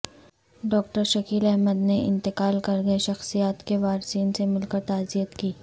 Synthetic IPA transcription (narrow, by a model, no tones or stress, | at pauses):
ɖɔːk̚ʈəɾʃɐkiːlɛɦməd̪neʔɪ̰̃nt̪ɪqaːlkɐɾɡɐeʃɐxsijaːt̪keʋaːɾsiːnsemɪlkəɾt̪aːzijət̪kiː